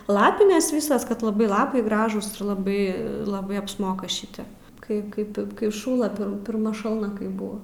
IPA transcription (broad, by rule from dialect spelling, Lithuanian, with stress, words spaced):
ˈlˠɑːpʲɪnʲɛs ˈʋʲiːsɐs kɐt lˠɐˈbɐɪ ˈlˠɑːpɐɪ ˈɡrɑːʒuːs ɪr lˠɐˈbɐɪ lˠɐˈbɐɪ ɐpsˈmoːkɐ ˈʃʲɪtʲɛp kɐɪ ˈkɐɪp kɐɪ ˈʃuːlˠɐ pʲɪr pʲɪrˈmɐ ˈʃɐlˠnɐ ˈkɐɪp ˈbʊʋɐ